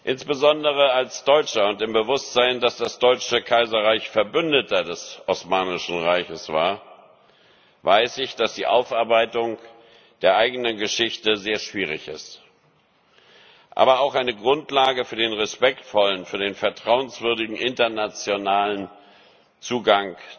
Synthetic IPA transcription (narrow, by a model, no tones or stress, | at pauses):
ʔɪnsb̥əzɔndəʁ̞əalsd̥ɔʏt͡ʃɐʊntɪmbəvʊstz̥aɪndasd̥asd̥ɔʏt͡ʃəkʰaɪzɐʁaɪçfɛɐbʏndətɐdɛsʔɔsmaːnɪʃn̩ʁaɪçəsv̥a̰ːɐ | vaɪsɪçd̥asd̥iːʔaʊfʔaɐbaɪtʊŋ | d̥eːɐʔaɪɡənənɡəʃɪçtəzeːɐʃv̥iːʁɪçɪ̰st | ʔa̰ːbɐaʊxʔaɪnəɡʁʊntlaːɡəfyːɐdeːnʁɛspɛktfɔlənfyːɐdeːnfɛɐtʁ̥aʊənsv̥ʏɐdɪɡŋ̩ʔɪntɐnat͡sjonaːlən | t͡suːɡaŋ